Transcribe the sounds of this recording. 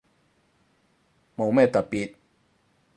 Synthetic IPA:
mo˨˥wmɛː˥˩t̪ɐ˨t̚piː˨˩t̪̚

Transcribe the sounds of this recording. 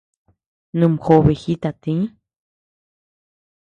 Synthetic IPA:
nɨ̃˧mho˧βe˨hi˦t̪a˨t̪ĩ˧˦

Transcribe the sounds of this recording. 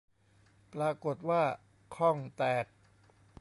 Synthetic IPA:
pɾaː˧ko˨˩t̪̚waː˥˩ | kʰɔ˥˩ŋt̪ɛː˨˩t̪̚

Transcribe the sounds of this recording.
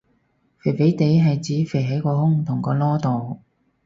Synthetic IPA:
fe˨˩fe˨˥jt̪e˨˧jɦɐ˨jt͡siː˨˥fe˨˩jɦɐ˨˥jkɔː˧hʊ˥ŋt̪ʰʊ˨˩ŋkɔː˧lɔː˥t̪o˨w

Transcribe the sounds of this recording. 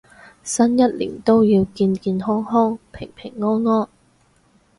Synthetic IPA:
sɐ˥njɐ˥t̚lḭː˨˩nt̪o˥wjiː˧wkiː˧nkiː˧nɦɔː˥ŋɦɔː˥ŋpʰɪ˨˩ŋpʰɪ˨˩ŋːɔː˥nŋɔː˥n

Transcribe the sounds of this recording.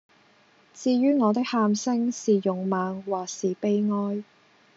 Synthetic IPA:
t͡siː˧jyː˥ŋɔː˨˧t̪̬ɪ˥k̚haː˧msɪ˥ŋsiː˨jʊ˨ŋmaː˨ŋwaː˨ksiː˨˩pe˥jŋɔː˥j

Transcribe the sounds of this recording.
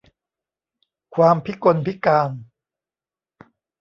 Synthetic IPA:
kʰwaː˧mpʰi˦˥ko˧npʰi˦˥kaː˧n

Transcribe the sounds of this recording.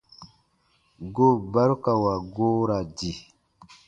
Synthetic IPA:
ɡo˦˨ba˦ɾka˨wa˨ɡo˦ɾa˨di˨

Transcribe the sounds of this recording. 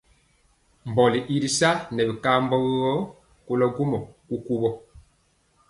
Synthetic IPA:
m˨bɔ˨li˨ʔi˦ɾi˨sa˦nɛ˨bi˨ka˦mbɔ˦ɣɣɔ˦ | ko˦lɔ˦ɡu˦mɔ˨ku˦ku˦bɔ˦

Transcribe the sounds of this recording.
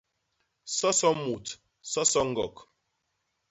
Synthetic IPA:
sɔ˦sɔ˦mu˨t | sɔ˦sɔ˦ŋ̩˦ɡɔ˨k

